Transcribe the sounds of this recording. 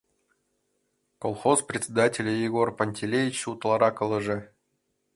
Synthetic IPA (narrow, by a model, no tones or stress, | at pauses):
kolˠχosprʲɪtʲsʲɪd̪atʲɪlʲjɪɡorpɐnʲtʲelʲevʲit͡ɕut̪lˠɑɾɑkɤ̆lˠɤ̆ʐɘ̆